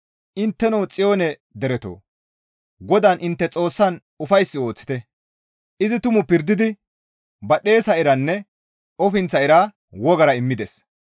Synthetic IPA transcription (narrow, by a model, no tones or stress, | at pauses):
ʔɪnt̪ːɛnɔwt͡sʼɪjo̞ːnɛd̪ɛɾɛt̪o̰ː | ɡɔd̪anʔɪnt̪ːɛt͡sʼo̞ːsːɐn | ʊfɐjsːɪo̞ːt͡sːɪ̥t̪ɛ | ʔɪzɪt̪ʊmʊpɪɾd̪ɪd̪ɪ | bɐɗe̞ːsɐɪɾɐnːɛ | ɔfɪnt͡sːɐɪɾaː | wɔɡɐɾɐɪmːɪd̪ɛs